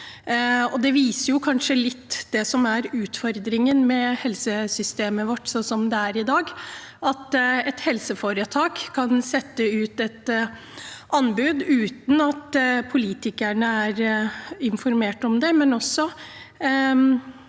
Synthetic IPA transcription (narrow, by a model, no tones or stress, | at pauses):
ɔd̪ɛʋiːsəɾjʊkʰɑnʂəlɪt̪ːd̪̥ɛsɔmæɾʉːt̪fɔɾd̪ɾɪŋənmɛhɛlsəsʏst̪eːməʋɔʈːsɔsɔmd̪ɛæɾɪd̪ɑːɡɑt̪ɛt̪hɛlsəfoɾət̪ʰɑːkkʰːɑnsɛt̪ːəʉːt̪ɛt̪ | ʔɑnbʉːd̪ʉːt̪n̩ɑt̪pʰʊliːt̪ɪkæɳəæɾɪnfɔɾmeːʈɔmd̪ɛmɛnɔsːɔ